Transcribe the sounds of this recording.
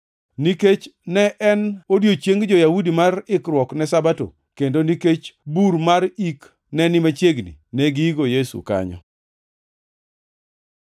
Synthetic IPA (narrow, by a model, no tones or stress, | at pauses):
niket͡ʃnɛʔɛnodjot͡ʃeŋɡd͡ʒɔjawudimarɪkɾwɔknɛsabato̰ | kendoniket͡ʃbuɾmaɾik | nɛnɪmat͡ʃjeɡnḭnɛɡiiɡojesṵka̰ɲɔ̰